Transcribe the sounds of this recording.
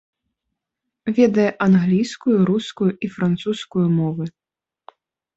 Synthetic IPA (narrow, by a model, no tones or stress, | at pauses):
vʲɛd̪ɐjɛʔanɣlʲijskujuɾuskujuʔifɾant̪suskujumɔvɨ